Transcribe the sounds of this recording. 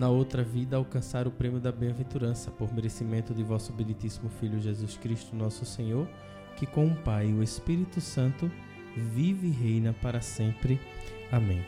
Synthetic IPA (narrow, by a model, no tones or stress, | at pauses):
nɐowt̪ɾɐvid̪ɐawkɐ̃saɾʊpɾẽmijʊd̪ɐbẽvẽnt̪uɾɐ̃sɐpoɾmeɾesimẽnt̪ʊd̪ɪvɔsʊbenĩt̪isimʊfiʎʊʒezuskɾiʃt̪ʊnɔsʊsẽɲoɾ | kɪkõũpajʊespiɾit̪ʊsɐ̃nt̪ʊ | vivɪiɦejnɐpaɾɐsẽmpɾɪ | amẽj̃